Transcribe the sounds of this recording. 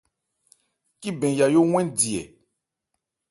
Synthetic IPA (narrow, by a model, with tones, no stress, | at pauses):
ki˦bɛ̃˨ja˨jo˦ŋw̃ɛ̃˦ndi˨ɛ̰˨